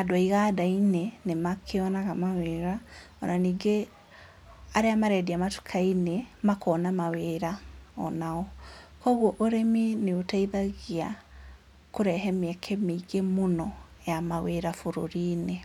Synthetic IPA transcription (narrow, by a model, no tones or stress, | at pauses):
adwaiɣadainenemakʰeɔnaɣamaweɾa | ɔnaniːɡe | aɾeamaɾɛdiamatu̥kʰainemakɔnamaweɾaɔ̰naɔkɔɣwɔʔoɾemineotaiðaɣia | koɾɛɦɛmɛkʰɛmeiɡemonɔjamaweɾafoɾo̰ɾiːne